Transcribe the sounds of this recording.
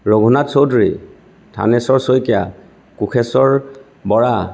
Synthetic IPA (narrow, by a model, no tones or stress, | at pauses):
ɹoɡʱunatsowdɹi | tʰa̰nɛsɔɹsojkija̰ | kukʰɛsɔɹ | bɔɹa